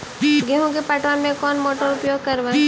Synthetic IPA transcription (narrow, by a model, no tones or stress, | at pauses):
ɡeɦũkepaʈʋanmẽkɔːnmoːʈəɾʊpjoːɡ̚kɐɾʋã